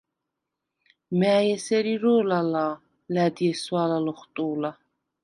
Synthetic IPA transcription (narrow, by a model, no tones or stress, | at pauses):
mɛːjɛsɛɾiɾɔːlalaː | læd̪iɛswaːlalɔχt̪ʼuːla